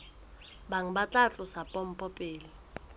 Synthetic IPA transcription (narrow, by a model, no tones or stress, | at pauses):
baŋ̩bat͡ɬʼat͡ɬʼʊsapʼɔm̩pʼɔpʼeːli